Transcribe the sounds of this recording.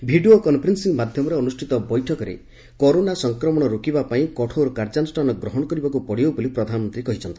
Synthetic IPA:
bʱiɖiokɔnpʰɾensiŋmad̪ʱjɔmɔɾeɔnusʈʰit̪ɔbɔjʈʰɔkɔɾḛ | kɔɾonasɔŋkɾɔmɔɽ̃ɔɾokibapaĩkɔʈʰowɾɔkaɾd͡ʒanɔsʈʰanɔɡɾɔɦɔɽɔkɔɾibɔkupɔɽibobolipɾɔd̪ʱanɔmɔnt̪ɾikɔɦit͡ʃʰɔnt̪i̥

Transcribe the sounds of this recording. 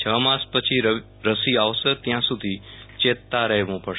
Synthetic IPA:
t͡ʃʰəmãspət͡ʃʰiɾ | ɾəsiaʋsəɾt̪jãsud̪ʱi | t͡ʃet̪ːaɾəɦʋũpə

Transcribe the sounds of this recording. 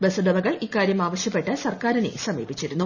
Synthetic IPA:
besɐɖɐbɐɣɐɭikːaːɾjɐmaːʋɐɕjɐpːe̞ʈːɨsɐrkaːɾɐnḛsɐmḭːbit͡ɕːiɾunːu

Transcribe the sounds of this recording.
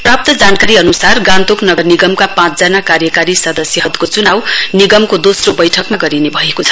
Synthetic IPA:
prap̚t̪ʌd͡zankaɾiʌnusarɡãnt̪oknʌɡʌrniɡʌmkapãt͡sd͡zanakaɾjʌkaɾisʌd̪ʌsjʌɦʌd̪kot͡sunawniɡʌmkod̪osrobʌjʈʰʌkmaɡʌɾinebʱʌekot͡sʰʌ̥

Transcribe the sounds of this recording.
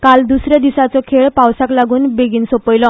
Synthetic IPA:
kald̪usɾjad̪isat͡sɔkʰeɭpawsaklaɡuːnbeɡiːnsopəjlɔ

